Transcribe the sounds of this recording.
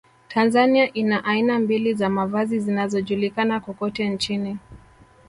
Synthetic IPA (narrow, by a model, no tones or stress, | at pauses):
tʰanzaniaʔinaʔainambilizamavazizinazɔʄulikanakɔkɔtɛnt͡ʃini